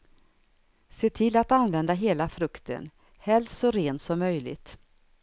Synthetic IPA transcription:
seːt̪ʰɪlːat̪anvɛnd̪aɦeːlafɾɵkt̪ə̰n | hɛlssɔɾeːnt̪sɔmːœjlɪ̰ɡt̪

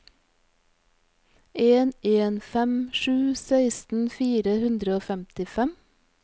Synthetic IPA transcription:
eːneːnfɛmʃʉːsæɪst̪n̩fiːɾəhʉnd̪ɾəoːfɛmt̪ɪfɛm

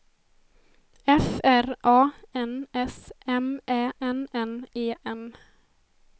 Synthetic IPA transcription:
ɛfæɾʔɑːɛnɛsʔɛmʔɛːʔɛnɛneːʔɛm

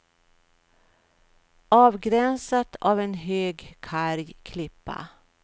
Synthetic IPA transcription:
ɑːvɡɾɛnsat̪ʰaːvɛnɦøːɡkʰaɾjkʰlɪpːa̰

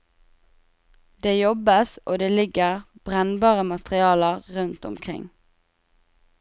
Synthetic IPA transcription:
d̪eːjɔbəsʔoːd̪eːlɪɡəʁb̥ʁɛnbɑːʁəmɑt̪ʁɪɑːləʁʁʉnt̪ʊ̰mkʰʁɪ̰ŋ

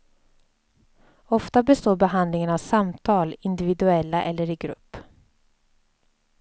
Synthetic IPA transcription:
ɔft̪abɛst̪oːbɛɦand̪lɪŋənavsamt̪ʰɑːlɪnd̪ɪvɪd̪ɵɛlːaʔɛlːəɾɪɡɾɵ̰pː

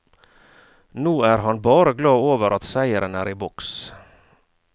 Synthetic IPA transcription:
nuːæːɾɦɑnbɑːɾəɡlɑːoːʋəɾʔɑt̪sæɪəɾʔənæːɾiːbɔks

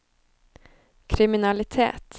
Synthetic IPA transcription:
kʰɾɪmɪnalɪt̪ʰḛːt̪

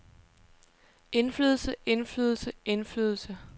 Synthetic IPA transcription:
e̝nflyːð̞ˠl̩səʔe̝nfly̰ːðˠl̩səe̝nfly̰ːðˠl̩sə

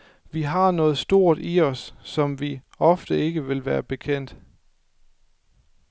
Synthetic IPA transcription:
ʋiɦɑ̈nɔ̽ːð̞̩ˠsd̥o̝ɐ̰d̥iɒ̽sːɒ̽mʋi | ɒ̽fd̥əe̝ɡ̥əʋe̝lʋæːɐb̥e̝kʰen̰d̥

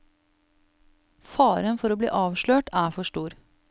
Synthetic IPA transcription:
fɑːɾənfɔɾoːblḭːʔɑːʋʃɭøːʈæːfɔʂʈuːɾ

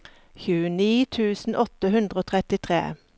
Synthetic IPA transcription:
çʉːəniːt̪ʰʉːsn̩ʔɔt̪əhʉnd̪ʁəoːt̪ʰʁɛt̪ɪt̪ʰʁḛː

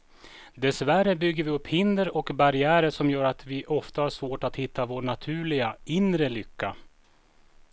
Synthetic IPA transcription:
d̪ɛsværəbʏɡːəɾvɪɵpːhɪnd̪əɾɔkbaɾɪæːɾəʂɔmjœːɾat̪vɪʔɔft̪ahaʂvoːʈat̪hɪt̪ʰːavoːɳat̪ʰʉ̟ːɭɪɡaɪnɾəlʏkʰːa

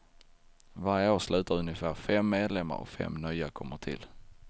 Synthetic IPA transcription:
vaɾjəoːslʉ̟ːt̪aɾɵnjəfæːɾfɛmːeːd̪lɛmːa̰ɾɔ̰fɛ̰mːnœjakʰɔmːəʈʰɪ̰l

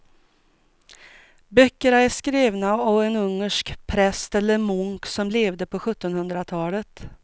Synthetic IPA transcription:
bœkːəɳaæʂkɾeːvnaɑvɛnɵŋːəʂkpʰɾɛst̪ɛlːəɾmɵŋksɔmleːvd̪əpʰɔɧɵt̪ːɔnhɵnd̪ɾat̪ʰɑːlət̪

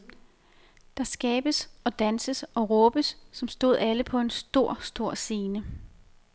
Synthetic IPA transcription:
d̥ɑ̈sɡ̥ɛːb̥əsɒ̽d̥ænsəsɒ̽ʁɔ̽ːb̥əsːɒ̽msd̥o̝ð̞̰ˠæləpʰɒ̽e̝nsd̥o̝ɐ̰sd̥o̝ɐ̰se̝ːnə

